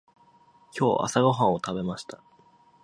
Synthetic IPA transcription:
kʲʰo̞ːʔa̰saɡo̞ɦãɰ̃o̞t̪abe̞maɕi̥t̪ḁ

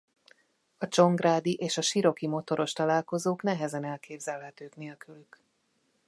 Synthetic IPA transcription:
ɒt͡ʃo̞ŋɡraːd̪iʔeːʃɒʃiɾo̞kimo̞t̪o̞ɾo̞ʃt̪ɒlaːlko̞zoːknɛɦɛzɛnɛlkeːbzɛlɦɛt̪øːkn̪eːlkylyk

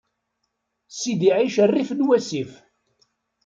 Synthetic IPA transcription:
sid̪iʕiʃərːifnwæsif

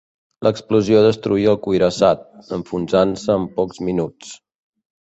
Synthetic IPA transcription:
lʔəkspluzioðəst̪ɾuiəlˠkujɾəsat̪̚əɱfunzansəːmpɔkzminut͡s

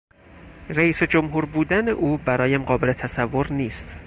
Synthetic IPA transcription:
ræiːsed͡ʒomɦuːɾbuːd̪æneʔuːbæɾɒːjæmɢɒːbe̞le̞t̪ʰæsævːo̞ɾniːst̪

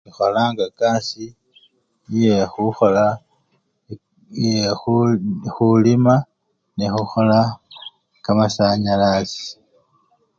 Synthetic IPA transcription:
ixolaːŋɡakaːsi | jexuxola | e | xulima | nexuxola | kamasaɲalasi̥

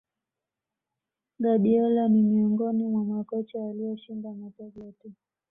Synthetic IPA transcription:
ɡaɓiɔlanimiɔŋɡɔnimwamakɔt͡ʃawaliɔʃindamataɡɛti

